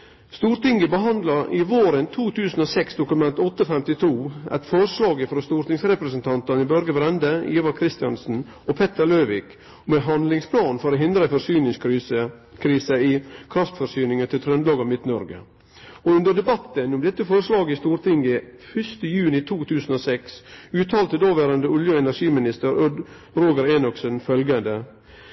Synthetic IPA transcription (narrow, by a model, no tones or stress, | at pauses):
st̪uːɾt̪ɪŋɡəbəɦɑnd̪lɑɾʔɪʋoːɾənt̪ʰuːt̪ʰʉːsn̩oːsɛksd̪ʊkʉmɛnt̪ɔt̪ːəfɛmt̪ɪt̪ʰuːʔɛ̰t̪fɔɾəʂlɑːɡəfɾɔst̪uːɾt̪ɪŋsɾɛpɾəsənt̪ʰɑnt̪ɑnɪbœɾɡəbɾɛnd̪əiːʋɑɾkʰɾɪst̪ɪjɑnsn̩ | ɔpʰɛt̪əɾløːʋɪːk | mɛɦɑnd̪lɪŋspʰlɑːnfɔɾoːɦɪnd̪ɾəæɪfɔɾsyːnɪŋs | kʰɾiːsəɪkʰɾɑft̪fɔɾsyːnɪŋət̪ʰɪlt̪ʰɾœnd̪lɑːɡɑʋmɪt̪nɔɾɡə̰ | ɔʉnd̪əɖɛbɑt̪ːənʊmd̪ɛt̪ːəfoːɾəslɑːɡəɪst̪uːɾt̪ʰɪŋɡəfʏst̪əjʉːnɪt̪ʰuːt̪ʰʉːsən̩oːsɛksʉːt̪ʰɑːlt̪əd̪oːʋæːɾənd̪əʊljəɛnæɾʂiːmɪnɪst̪əɾʉd̪ | ɾoːɡəɾeːnɔksənfœlɡənd̪ə